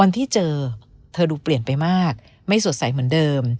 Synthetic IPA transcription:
wa˧nt̪ʰiː˥˩t͡ɕɤː˧t̪ʰɤː˧duː˧pli˨˩ənpa˧jmaː˥˩k̚ | ma˥˩jsu˨˩˦t̚sa˨˩˦jmɯ˩˦əndɤː˧m

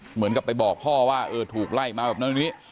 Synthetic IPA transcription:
mɯ˩˦nka˨˩pːa˧jbɔː˨˩k̚pʰɔː˥˩waː˥˩ʔɤː˧t̪ʰuː˨˩k̚la˧˥˩jk̚maː˧bɛː˨˩p̚nʰ˦˥˩ni˦˥

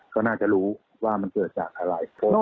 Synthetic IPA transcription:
kɔː˥˩naː˥˩t͡ɕa˨˩ʔɾuː˦˥ | waː˥˩ma˧nkɤː˨˩t̪̚t͡ɕaː˨˩k̚ʔa˧ɾa˧˩jpʰo˦˥˩

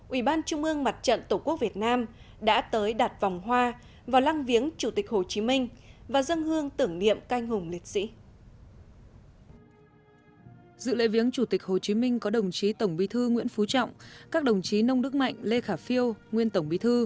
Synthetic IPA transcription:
ʔwi˧˩ɓaː˧nt͡ɕʊ˧ŋ͡mʔɨ˧əŋma˨˩t̚t͡ɕə̰˧˨nt̪o˧˩ku˦˥ək̚vət̚naː˧m | ɗa̰ː˧˥t̪əː˨˦jɗaː˨˩t̚va˨˩wŋ͡mɦwaː˧ | vaː˨˩wla˧ŋvi˨˦əŋt͡ɕu˧˩t̪i˨˩k̚ho˨˩t͡ɕi˨˦mï˧ŋ̟vaː˨˩zə˧nhɨ˧əŋt̪ɨ˧˩əŋnḭ˧˨əmka˧jŋ̟hʊ˨˩ŋ͡mli˨˩t̚sḭ˧˥ | zɨ̰˧˨lḛ˧˥jvi˨˦əŋt͡ɕu˧˩t̪ï˨˩k̟̚ho˨˩t͡ɕi˨˦mï˧ŋ̟kɔ˨˦ɗə˨˩wŋ͡mt͡ɕi˨˦t̪ə˧˩wŋ͡mɓi˨˦t̪ʰɨ˧ŋwḭ˧˥ənfu˨˦t͡ɕɔ̰˧˨wŋ͡mkaː˦˥k̚ɗə˨˩wŋ͡mt͡ɕi˨˦nə˧wŋ͡mɗɨ˦˥k̚ma̰˧˨jŋ̟le˧xaː˧˩fi˧əwŋwi˧ənt̪ə˧˩wŋ͡mɓi˨˦t̪ʰɨ˧

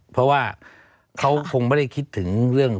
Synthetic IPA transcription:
pʰɔ˧˥waː˧˩ | kʰa˦˥wkʰo˧ŋmbɔː˧˩ɾa˧˥˩jkʰi˦˥t̪ʰːɯ˩˦ŋɾɯ˥˩əŋ

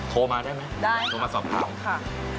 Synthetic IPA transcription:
t̪ʰoː˧maː˧daː˥˩jma˦˥jdaː˥˩j̪ʰoː˧maː˧sɔː˨˩p̚t̪ʰa̰ː˨˩˦mkʰa˥˩

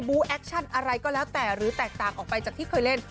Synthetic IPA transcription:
buː˦˥ʔɛ˦˥k̚t͡ɕʰa˥˩nʔa˧ɾa˧jkɔː˥˩lɛː˦˥wt̪ɛː˨˩ɾɯː˩˦t̪ɛː˨˩k̚t̪aː˨˩ŋʔɔː˨˩k̚pa˧jt͡ɕaː˨˩t̪ʰiː˥˩kʰɤː˧jle˦˥˩n

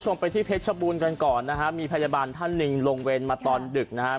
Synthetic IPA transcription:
t͡ɕʰo˧mpa˧jt̪ʰiː˥˩pʰe˦˥t̪̚t͡ɕʰa˧buː˧nka˧nkɔː˨˩nːa˦˥kʰa˦˥ʔmiː˧pʰa˧jaː˧baː˧nt̪ʰa˥˩nːɯ˨˧ŋɾoː˧ŋweː˧nmaː˧t̪ɔː˧ndɯ˨˩k̚na˦˥kʰa˦˥

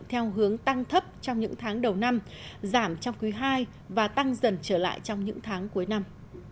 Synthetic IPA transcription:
t̪ʰɛ˧wɦɨ˨˦əŋt̪a˧ŋt̪ʰə˦˥p̚t͡ɕɔ˧wŋ͡mɲɨ̰˧˥ŋt̪ʰaː˨˦ŋɗə˨˩wna˧m | zaː˧˩mt͡ɕɔ˧wŋ͡mkwi˨˦ɦaː˧j | vaː˨˩t̪a˧ŋzə˨˩nt͡ɕəː˧˩la̰ː˧˨jt͡ɕɔ˧wŋ͡mɲɨ̰˧˥ŋt̪ʰaː˨˦ŋku˨˦əjna˧m

